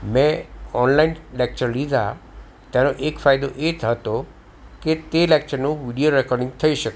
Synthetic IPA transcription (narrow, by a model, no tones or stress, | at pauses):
mẽɔnlainlek̚t͡ʃəɾlid̪ʱa | t̪janoʔekfajd̪oʔet̪ɦət̪o | ket̪elek̚t͡ʃəɾnũʋiɖijoɾɛkɔɾɖɪ̃ŋɡt̪ʰəiʃək